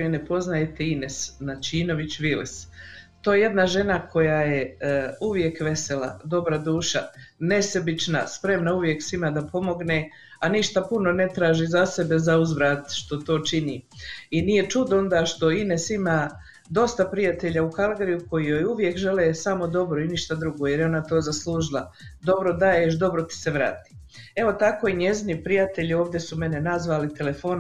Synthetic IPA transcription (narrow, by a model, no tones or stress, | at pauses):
inepo̞znajet̪einesnat͡ʃiːno̞ʋit͡ɕʋilist̪oːjeje̞d̪naʒe̞nakʰo̞jaːje̞uʋje̞kʋe̞se̞la̰d̪o̞bɾad̪uːʃa̰ne̞se̞bit͡ʃna̰spɾe̞mnauʋje̞ksimad̪apʰo̞mo̞ɡne | aniʃt̪apuno̞ne̞t̪ɾaːʒizase̞be̞zauzʋɾaːt̪ʃt̪o̞t̪o̞ːt͡ʃiniinije̞t͡ʃud̪o̞nd̪aːʃt̪o̞inesimaː | d̪o̞st̪apɾijat̪eʎaukalɡeɾijuko̞jijojuʋje̞kʒeleːsamo̞d̪o̞bɾoiniʃt̪ad̪ɾuɡojeɾjeo̞nat̪o̞ːzaslˠuːʒilˠa | d̪o̞bɾo̞d̪ajeʃd̪o̞bɾo̞t̪i̥seʋɾa̰ːt̪i̥ː | e̞ʋo̞t̪ako̞ːiɲe̞zinipɾijat̪eʎio̞ːʋd̪je̞sume̞nenazʋaːlit̪e̞le̞fo̞ːn